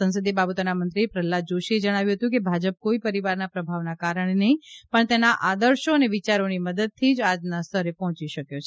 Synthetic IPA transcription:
ə̃nsəd̪ibabət̪onamənt̪ɾipɾəlːad͡ʒoʃied͡ʒəɽ̃aʋjũɦət̪ũk̬ebʱad͡ʒəp̚koipəɾiʋaɾnapɾəbʱaʋnakaɾəɳ̃enəɦĩpəɳt̪enaʔad̪əɾʃoəneʋit͡ʃaɾoniməd̪əd̪̚t̪ʰid͡ʒad͡ʒnast̪ʰəɾepɔɦt͡ʃiʃəkjot͡ʃʰe

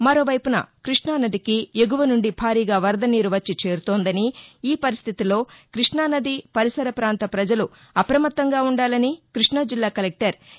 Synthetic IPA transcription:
mɐɾo̞ːʋɐjpunɐ̰kɾiʂɳaːnɐd̪ikieɡuʋɐnuɳɖibʱaːɾiːɡaːʋɐɾd̪ɐniːɾuʋɐt͡ʃːit͡ʃe̞ːɾut̪oːnd̪ɐniiːpɐɾist̪ʰit̪ilo̞ːkɾiʂɳaːnɐd̪ipɐɾisɐɾɐpɾaːnt̪ɐpɾɐd͡ʒɐlu | ɐpɾɐmɐt̪ːɐŋɡaːuɳɖaːlɐnikɾiʂɳɐd͡ʒilːaːkɐlek̚ʈɐɾ

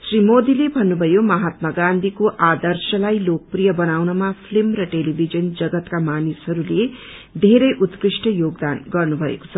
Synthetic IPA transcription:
srimod̪ilebʱʌnːubʱʌjomʌɦat̪̚maɡand̪ʱikoʔad̪ʌrsʌlajlok̚prijʌbʌnawnʌmapʰlimrʌʈelibʱid͡zʌnd͡zʌɡʌt̪kamanisɦʌɾule | d̪ʱeɾʌjʔut̪krisʈʌjoɡd̪anɡʌrnubʱʌḛko̥t͡sʰʌ

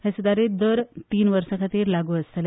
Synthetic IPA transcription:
hesud̪aɾed̪əɾt̪iːnʋəɾsə̃kʰat̪iːɾlaɡuːəst̪le

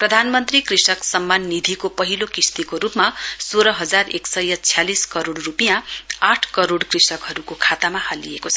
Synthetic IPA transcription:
prʌd̪ʱanmʌnt̪rikrisʌksʌmːanːid̪ʱikopʌɦilokist̪ikoɾupmasoɾʌɦʌd͡zareksʌjʌt͡sʰijaliskʌɾoɽrupijãaʈʰkʌɾoɽkrisʌkɦʌɾukokʰat̪amahalijekot͡sʰʌ

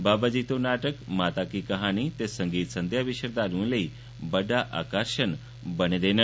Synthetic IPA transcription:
babad͡ʑit̪onaʈəkmat̪akikəɦañit̪esəŋɡiːt̪sənd̪ʱjaʋiɕəɾd̪alũːleiː | bəɖ̪aʔa̰kəɾɕən | bəned̪en

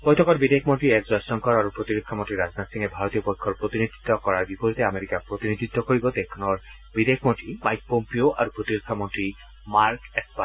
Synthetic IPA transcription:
pɔjtʰɔkɔɹbidekʰmɔntɹiɛkzɔjsɔŋkɔɹaɹupɹot̪iɹokʰːamõntɹiɹaznatsiŋɛbʱaɹot̪ijɔpɔjkʰːɔɹpɹot̪inid̪ʱit̪ːɔkɔɹaɹbipoɹit̪ɛameɹikapɹot̪inid̪ʱit̪ːɔkoɹibɔt̪ɛkʰːɔnɔɹ | bidekʰmɔntɹimajk̚pompioʔa̰ɹupɹot̪iɹokʰːamɔntɹi | maɹkɛspa

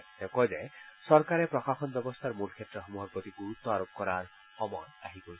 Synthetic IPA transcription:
t̪ekɔd͡ʒesɔɾkaɾepɾɔxaxɔnbjɔbɔst̪ʰaɾmulkʰet̪ːɾɔɦɔmuɦɔɾbɔt̪iɡuɾut̪ːɔaɾop̚kɔɾaɾ | ɔmɔna̰ɦiboli

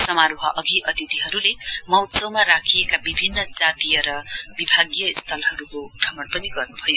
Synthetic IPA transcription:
sʌmaɾoɦʌʔʌɡʱiʔʌt̪it̪iɦʌɾulemʌwsʌwmaɾakʰiekabibʱinːʌt͡sat̪ijʌɾʌbibʱaɡjʌist̪ʰʌlɦʌɾukobrʌmʌnpʌniɡʌrnubʱʌjo

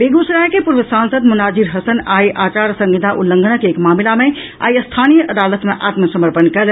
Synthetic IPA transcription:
beɡosɾajkepuɾʋəsansəd̪munad͡ʒiɾɦəsənajʔaːt͡ʃaɾsə̃ŋɡid̪ʱaʔulːəŋɡʱənəkeːkmamilame | a̰jəst̪ʰanijəʔəd̪alət̪meʔa̰t̪məsəməɾpənkəl

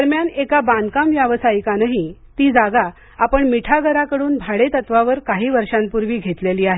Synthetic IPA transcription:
əɾmjanekabãnd̪kamʋjaʋəsajikanaɦit̪iːd͡zaɡa | apəɳmiʈʰaɡəɾakəɽuːnbʱaɽet̪ət̪ʋaʋəɾkaɦiːʋəɾʂãnpuɾʋiːɡʱet̪leliːaɦe

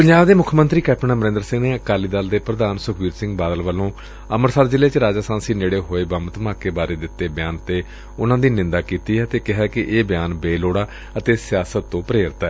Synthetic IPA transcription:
pəɲd͡ʒaːʋd̪eːmʊkʰːmə̃nt̪ɾiːkɛːpʰnãːməɾɪ̃nd̪əɾsɪ̃ŋɡneːəkaːliːd̪ald̪eːpɾəd̪aːnsʊkʰʋiːɾsɪ̃ŋɡbaːd̪əlʋəlõː | əməɾsaːɾd͡ʒɪleːt͡ʃəɾaːd͡ʒaːsãːnsiːneːɽeːɦoːeːbəmt̪əmãːkeːbaːɾeːd̪ɪt̪ːeːbɪjaːnt̪eː | ʊnãːd̪iːnɪ̃nd̪aːkiːt̪iːɛət̪eːkɪɦaːkɪʔeːbjaːnbeːloːɽaː | ət̪eːsɪjaːsət̪ːõːpəɾeːɾt̪aɛː

